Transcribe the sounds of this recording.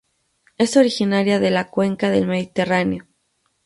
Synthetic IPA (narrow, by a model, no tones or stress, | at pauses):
e̞so̞ɾixinaɾjaðe̞lakwe̞ŋkaðe̞lme̞ðit̪e̞raneo̞